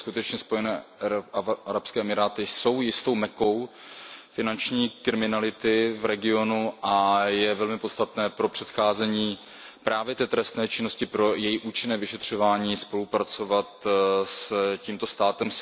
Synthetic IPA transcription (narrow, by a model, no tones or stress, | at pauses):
skut̪ɛt͡ʃɲɛspo̞jɛnɛː | aɾapskɛːʔɛmɪɾaːt̪ɪso̞wjɪst̪o̞wmɛko̞w | fɪnant͡ʃɲiːkɾɪmɪnalɪt̪ɪvɾɛɡɪo̞nuʔajɛvɛlmɪpott͡sst̪at̪nɛːpɾo̞pr̝̥ɛt̪xaːzɛɲiː | pɾʔaːvjɛt̪ɛːt̪ɾɛst̪nɛːt͡ʃɪno̞scɪpɾo̞jɛjiʔuːt͡ʃɪnɛːvɪʃɛt̪r̝̥o̞vaːɲiːspo̞lupɾat͡so̞vat̪sciːmt̪o̞st̪aːt̪ɛm